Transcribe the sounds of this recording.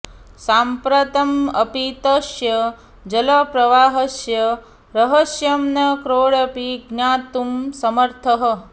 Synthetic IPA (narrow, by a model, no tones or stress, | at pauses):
saːmpɾɐt̪ɐmɐpit̪ɐʃjɐ | d͡ʒɐlɐpɾɐʋaːɦɐsjɐ | ɾɐɦɐʃjɐmnɐkɾoːɽɐpiɡnaːt̪umsɐmɐɾt̪ʰɐɦɐ̆